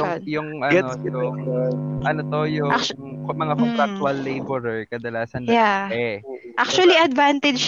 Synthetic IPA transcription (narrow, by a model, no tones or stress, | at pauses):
ʊjʊŋʔɐɡɛojʊ | ʔɐnot̪ojʊa | mɐŋakonɾak̚t̪uɐlːejbɛɾɛɹkɐd̪ɐlaːsɐnaɛʔak̚t͡ʃuɐliʔɐd̪vant̪ɛd͡ʒ